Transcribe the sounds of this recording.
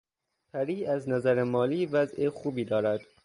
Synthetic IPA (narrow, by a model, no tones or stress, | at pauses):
pʰæɾiːæznæzæɾemɒːliːvæzexuːbiːd̪ɒːɾæd̪̥